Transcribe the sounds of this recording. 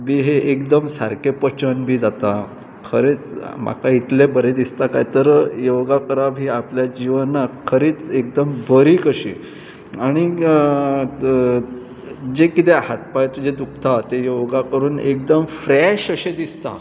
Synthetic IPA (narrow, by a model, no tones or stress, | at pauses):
biːɦeʔekd̪əmsaɾkepət͡ɕənbʱiːd͡zat̪a | kʰəɾet͡smʔa̰kait̪lebəɾed̪ist̪aka̰jt̪əɾjoɡakəɾaʋɦiːapljad͡ʑiʋənːakʰəɾiːt͡sek̚d̪əmbəɾiːkəɕḭː | aɽ̃i | d͡ʑekit̪eɦat̪̚pajt̪ud͡ʑed̪uk̚ʰt̪at̪ejoɡakəɾuːnḛk̚d̪əmfɾɛɕəɕed̪ist̪a̰